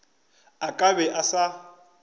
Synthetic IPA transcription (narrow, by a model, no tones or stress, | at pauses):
akʼaβɛʔasa